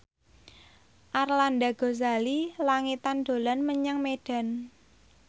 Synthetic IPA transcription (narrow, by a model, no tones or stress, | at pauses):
ʔarlandaɡ̥o̤zalilaŋit̪and̪̥o̤lanməɲaŋmeɖ̥a̤n